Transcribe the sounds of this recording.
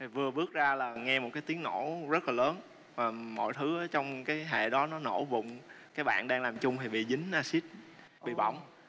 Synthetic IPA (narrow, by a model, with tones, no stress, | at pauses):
t̪ʰi˨˩vɨ˨˩əɓɨ˦˥ək̚zaː˧laː˨˩ŋɛ˧mo˨˩t̚kaː˨˦jt̪i˨˦əŋno˧˥zə˦˥t̚laː˨˩ləː˨˦n | vaː˨˩mɔ̰˧˨jt̪ʰɨ˨˦aː˨˦t͡ɕɔ˧wŋ͡mkaː˨˦jɦḛ˧˨ɗɔ˨˦nɔ˨˦no̰˧˩vʊ̰˧˨ŋ͡mkaː˨˦jɓa̰ː˧˨nɗaː˧ŋlaː˨˩mt͡ɕʊ˧ŋ͡mt̪ʰi˨˩ɓḭ˧˨zï˨˦ŋ̟ʔaː˧si˦˥t̚ | ɓḭ˧˨ɓa̰˧˩wŋ͡m